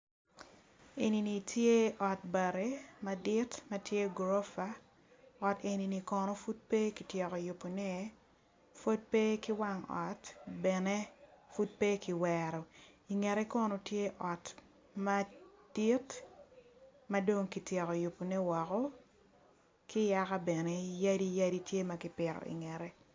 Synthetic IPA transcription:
e˨ni˨ni˨tje˦ʔɔ˨t̚ba˨ɾe˦madi˦tma˦tje˦ɡɾo˦fa˦ | ɔ˨te˨ni˨ni˨kɔ˨no˦fu˦t̚pe˦ki˨tjɛ˨ko˨jʊ˨pːo˨ne˦ | fo˦d̚pe˦ki˦wa˦ŋɔ̰˨tbɛ˨ne˦fu˦t̚pe˦ki˨wɛɾɔ˨i˨ŋɛ˨ɾɛ˦kɔ˦no˨tje˦ʔɔ˨t | ma˦d̥i˦t | ma˦do˦ŋki˨tjɛ˨kɔ˨jʊ˨pːo˨ne˦wɔ˨kɔ˦ | kɪ˦ja˦ka˦bɛ˨ne˦ja˦di˦ja˦di˦tje˦ma˨kɪ˦pɪ˨ɾɔ̰˨ʔḭ˨ŋɛ˨ɾɛ˦

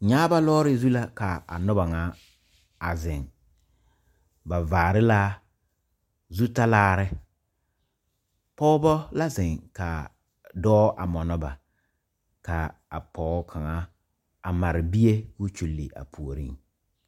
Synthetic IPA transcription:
ɲaː˦ba˦lɔː˦ɾɪ˦zu˦la˦ka˨a̰˨nʊ˦ba˨ŋa˨˦ | a˨zɪ˨ŋ | ba˨vaː˨ɾɪ˦la˦ | zu˦ta˦laː˦ɾɪ˦ | pɔ˦bɔ˦la˦zɪ˨ŋka˨ | dɔː˦ʔa̰˨mɔ˨nɔ˦ba̰˨ | ka˨a̰˨pɔː˨˦kʰa˨ŋa˦ | a˨ma˨ɾɪ˨bi˦e˦kʊ˦t͡ʃu˨lːḭ˨ʔa̰˨pʰu˨o˨ɾḭ˦ŋ

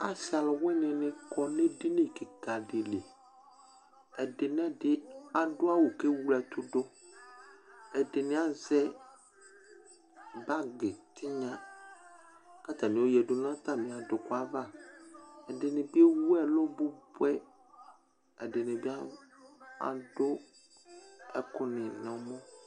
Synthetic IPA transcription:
a˦sa˨lwɛ˦ɲɪ̃˨nɪ̃˦kɔ˨ne˦di˦nɪ̃˦˨kɪ˨ka˨dɪ˨le˨ | ɛ˨dɪ˨nɛ̃˦dɪ˦a˨dʊ˦a˦wo˨ke˦wu˦lɛ˨t̪ʊ˦dʊ˦ | ɛ˨dɪ˨nɪ̃˦a˦zɛ˦ | ba˦ɡɪ˨t̪ʰɪ˦ɲã˦ | ka˦t̪ã˨nɪ̃˨wo˦jɛ˨ɖʊ˨˦n˦ã˦t̪a˦mĩ˨a˨dʊ˨kʊ˦a˦va˦˨ | ɛ˨dɪ˨nɪ̃˨bi˦e˦wu˦ɛ˦lo˦bʊ˦bʊ˦ɛ˦ | ɛ˨dɪ˨nɪ̃˨bi˦a˦ | a̰˨ɖʊ˦ | ɛ˦kʊ˦nɪ̃˨nɔ̃˨˦mɔ̃˦

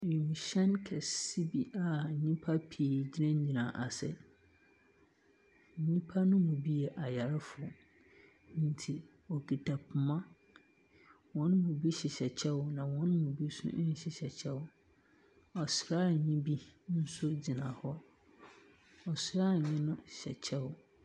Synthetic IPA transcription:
jĩ˨mĩ˨ɕɛ˦nkʰɛ˨si˦bi˨a˨ɲĩ˦pʰa˦pʰi˨d͡ʑi˦ɾã˦ɲ˦ɲĩ˨nã˨ʔa˨sɛ̰˦˨ | ɲĩ˦pʰa˦nʊ̃˦mũ˨bi˦ɛ˨ʔa˨ja˨ɾɪ˦fʊ˨ | n̩˦tʰi˨ | ɔ˨kʰi˨tʰa˨pʰʊ˨mã˦ | wɔ̃˨˦n˦mũ˨bi˦ɕɪ˨ɕɛ˨t͡ɕʰɛ˦ʊ˨nã˨wɔ̃˦n˦mũ˨bi˦sʊ̰̃˦ɲ̩˦ɕɪ˨ɕɛ˨t͡ɕʰɛ˦wʊ˨ | ɔ˨sɾa˦˨ɲĩ˦bi˦n̩˦sʊ˦d͡ʑi˨nã˨hɔ˦ | ɔ˨sɾa˦˨ɲɪ̃˦nʊ̃˦ɕɛ˨t͡ɕʰɛ˦wʊ˨

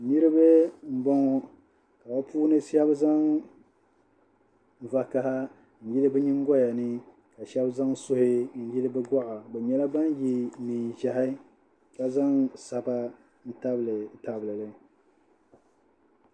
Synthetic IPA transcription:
ni˦ɾɨ˦bɨ˦m̩˦bɔ˦ŋɔ˦ | ka˨ba˦pʰuː˦nɨ˦sɛ˦bza˦ŋ˨ | va˨ka˦ha˦ | n̩˨ji˦lɨ˦bɛ˦ɲi˦ŋ˦ɡɔ˦ja˨nɨ˦ | ka˨ʃɛ˦bza˦ŋsʊ˦hɪ˦n̩˨ji˦lɨ˦bɨ˦ɡɔ˦ʔa˨bɛ˨ɲɛ˦la˦ba˦n˦ji˦ni˨ʒa˨ɦa˦ | ka˨za˦ŋsa˨ba˦ | n̩˦ta˦bɨ˨lɨ˨ta˨blɨ˨lɨ˦

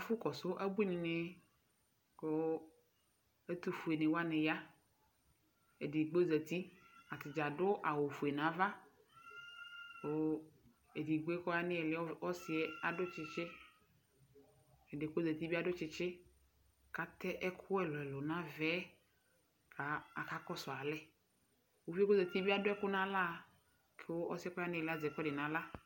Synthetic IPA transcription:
a˨fʊ˦kɔ˨sʊ˦ʔa˦bu˦nĩ˨nẽ˦ | ko˦ | e˦t̪u˦fu˨e˨nẽ˨wa˦nẽ˨ja˦ | e˨di˨ɡ͡bo˦zɛ˨t̪i˦a˨t̪ɪ˨d͡ʒa˨dʊ˦ʔa˨wo˨fu˨e˨nã˨˦va˦ | ko˦ | e˨di˨ɡ͡bo˦e˦kɔ˦a˨nẽ˦ɛ˨lɪ˨˦ɔ˦si˨ɛ˨a˨dʊ˦t͡ʃɪ˦t͡ʃɪ˦ | e˨de˨ko˦zɛ˨t̪i˦bi˦a˦˨ɖʊ˦t͡ʃɪ˦t͡ʃɪ˦ | ka˦t̪ɛ˦ʔɛ˦kʰʊ˦ɛ˦lɔ˨ɛ˨lo˨nã˦vɛ˦ | ka˨a˨ka˦kɔ˦sɔ˨a˨lɛ˦ | wo˦fi˦ko˦zɛ˨t̪i˦bi˦a˦dʊ˦ɛ˦kʊ˦nã˦la˦˨ | kʰe˦wo˦ʔɔ˦si˦ɛ˦kɔ˦a˦nɪ̃˦ɛ˨lɪ˦a˦d͡zɛ˨kɔ˦ɖɪ˨nã˨˦la˦

